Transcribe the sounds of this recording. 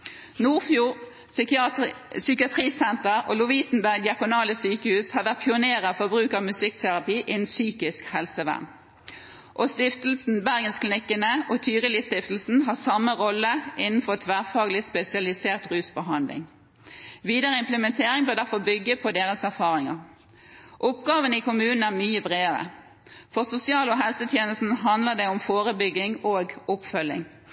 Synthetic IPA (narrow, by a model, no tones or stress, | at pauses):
nuːʁfjuːʁ | sʏkɪɑt̪ʰʁiːsɛnt̪əʁo̰ːlʊʋiːsn̩bæʁɡd̪ɪɑkʊnɑːləsyːkəhʉːshɑːʁʋæʁt̪̚pʰɪʊneːʁəfɔbʁʉːkɑmʉsɪkt̪ʰæʁɑpiːʔɪnsyːkɪskhɛlsəʋæ̰ʁn | ʔoːst̪ɪft̪əl̩sn̩bæʁɡənsklɪnɪkːənəʔoːt̪ʰyːʁəlɪst̪ɪft̪l̩sn̩ɦɑːsɑmːəʁɔləʔɪnn̩fɔʁt̪ʰʋæːʁfɑːɡlɪspɛsɪɑlɪseːʁt̪ʁʉːsbəɦɑnd̪lɪ̰ŋ | ʋiːd̪əʁəɪmpləmɛnt̪ʰeːʁɪŋbøːʁd̪æʁfɔʁbʏɡːəpʰɔd̪eːʁəsæʁfɑːʁɪŋə̰ʁ | ʔʊpɡɑːʋənikʰʊmʉːnn̩æʁmyːəbʁeːəʁə̰ | fɔʁsʊsɪɑːlɔːɦɛlsət̪ʰjeːnəlsn̩ɦɑnd̪ləʁd̪ɛʊmfoːʁəbʏɡɪŋoːɡʊpfœlːɪ̰ŋ